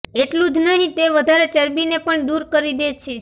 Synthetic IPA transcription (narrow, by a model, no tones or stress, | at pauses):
eʈlũd͡ʒnəɦĩt̪eʋəd̪ʱaɾet͡ʃəɾbinepəɳd̪uɾkəɾid̪et͡ʃʰe